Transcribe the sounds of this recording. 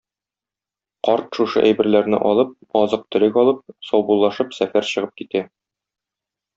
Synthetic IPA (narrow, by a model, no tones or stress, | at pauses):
qɒɾt̪ʃuʃɤ̰ʔæjbɘ̆ɾlæɾnɘ̰ʔɒlˠɤp̚ | ɒzɤq̚t̪ɵ̆ɾɘkɒlˠɤp̚sɒwbulˠːɑʃɤpsæfæɾɕɤ̆ʁɤp̚kit̪æ